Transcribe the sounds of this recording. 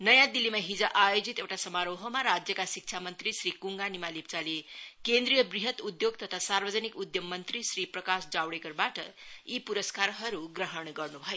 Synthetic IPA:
nʌjãd̪ilːimaɦid͡zʌʔajod͡zit̪ewʈasʌmaɾoɦʌmaɾad͡zjʌkasik̚t͡ʃʰamʌnt̪risɾikuŋɡanimalip̚t͡salekend̪ɾijʌbriɦʌt̪ud̪joɡ̚t̪ʌt̪ʰasarbʌd͡zʌnikud̪jʌmːʌnt̪ɾisɾiprʌkasd͡zawɽekʌrbaʈʌ̰ipuɾʌskaɾɦʌɾuɡrʌɦʌɳɡʌrnubʱʌjo

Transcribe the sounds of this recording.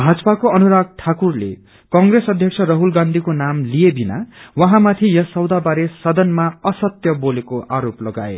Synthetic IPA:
bʱad͡zʌpakoʌnuɾaɡ̚ʈʰakurlḛ | kʌŋɡɾesʌd̪ʱjʌkt͡sʰʌrʌɦulɡand̪ʱikonamlijebʱina̰wʌɦãmat̪ʰijʌsʌwd̪abaɾesʌd̪ʌnmaʌsʌt̪jʌbolekoʔaɾoplʌɡa̰ḛ

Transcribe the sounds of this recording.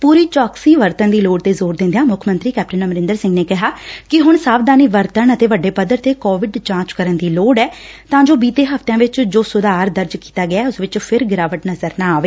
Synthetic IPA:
puːɾiːt͡ʃɔːksiːʋəɾt̪ənd̪iːloːɖ̚t̪eːzoːɾd̪ɪ̃nd̪jãːmʊkʰmə̃nt̪ɾiːkɛːp̚ʈənəməɾɪ̃nd̪əɾsɪ̃ŋɡneːkɪɦaːkɪɦʊɳsaːʋd̪aːniːʋəɾt̪əɳət̪eːʋəɖːeːpəd̪əɾt̪eːkɔːʋɪɖd͡ʒãːt͡ʃkəɾənd̪iːloːɖɛː | t̪ãːd͡ʒoːbiːt̪eːɦəft̪jãːʋɪt͡ʃd͡ʒoːsʊd̪aːɾd̪əɾd͡ʒkiːt̪aːɡɪjaːɛːʊsʋɪt͡ʃpʰɪɾɡɪɾaːʋəʈnəzəɾnãːaːʋeː

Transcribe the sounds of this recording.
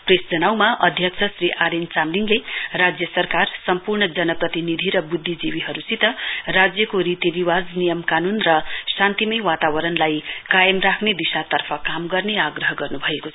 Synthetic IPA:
presd͡zʌnawmaʔʌd̪ʱjʌkt͡sʰʌsrɾiʔaɾent͡samliŋlerad͡zjʌsʌrkarsʌmpurɳʌd͡zʌnʌprʌt̪inid̪ʱiɾʌbud̪ʱːid͡ziwiɦʌɾusit̪ʌrad͡zjʌkoɾit̪jʌd̪iwad͡znijʌmkanunrʌsant̪imʌjwat̪awʌɾʌnlajkajʌmrakʰned̪isat̪ʌrpʰʌkamɡʌrneaɡrʌɦʌɡʌrnubʱʌekot͡sʰʌ

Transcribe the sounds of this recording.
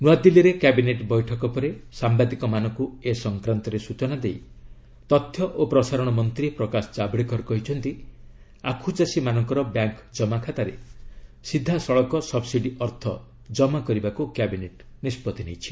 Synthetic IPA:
nuad̪iliɾekabineʈbɔjʈʰɔkɔpɔɾesambad̪ikɔmanɔkuesɔŋkɾant̪ɔɾesut͡ʃɔnad̪ej | t̪ɔt̪ʰːjɔʔopɾɔsaɾɔɽ̃ɔmɔnt̪ɾipɾɔkasɔ̥d͡ʒabɽikɔɾkɔɦit͡ʃʰɔnt̪i | akʰut͡ʃasimanɔŋkɔɾɔbjaŋkd͡ʒɔmakʰat̪aɾesid̪ʱːasɔɭɔkɔsɔbsiɖiʔɔɾt̪ʰɔ | d͡ʒɔmakɔɾibakukabineʈnispɔt̪inejt͡ʃʰi̥

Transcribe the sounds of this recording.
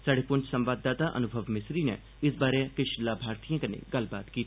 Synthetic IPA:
saːɖeːpʊɲt͡ʃsəmʋaːd̪ːaːt̪aːʔə̰nʊbʱəʋmɪsɾiːnɛ̰ː | ɪsbaːɾekɪʃlaːbʱaːɾt̪ijãːkənḛːɡəlbaːt̪kiːt̪ː

